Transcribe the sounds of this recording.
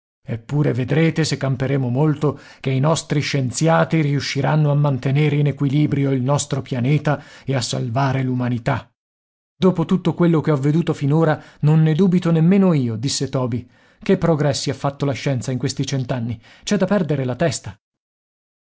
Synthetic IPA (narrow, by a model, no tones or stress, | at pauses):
epːuːɾeved̪ɾeːt̪esekːampeɾeːmomolt̪okeinɔst̪ɾiʃːent̪sjaːt̪iɾiuʃːiɾʔanːoamːant̪eneːɾeinekwiliːbɾjoilnɔst̪ɾopjaneːt̪aeasːa̰lvaːɾelumanit̪a | d̪oːpot̪ut̪ːokwelːok̟eɔvːed̪uːt̪ofinoːɾanonːed̪uːbit̪onemːeːnoiːod̪isːet̪ɔːbi | kepːɾoɡɾɛsːiafːat̪ːolaʃːɛnt̪saiŋkwest̪it͡ʃɛnt̪anːi | t͡ʃɛd̪apːɛrd̪eɾelat̪ɛst̪a